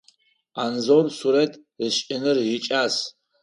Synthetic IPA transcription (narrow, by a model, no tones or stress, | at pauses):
anzowrsuɾetʼ | ɨɕʼɪnɨrjit͡ʃʼaːs